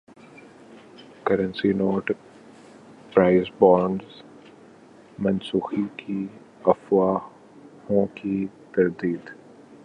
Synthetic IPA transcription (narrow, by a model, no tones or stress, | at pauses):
kɐɾə̃nsinoːʈ | pɾaːɪzbɔːɾɳɖz | mɐnsuːxikʰi | ɐfwaː | hõki | t̪ɐɾd̪iːd̪